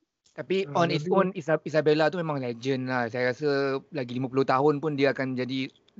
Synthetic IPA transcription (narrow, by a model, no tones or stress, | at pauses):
t̪apiɔ̃nitsonisaisabelat̪umẽmãŋlɛd͡ʒənlahsajaɾasəlaɡilimãpuluht̪aɦʊnpʊndiəakand͡ʒadi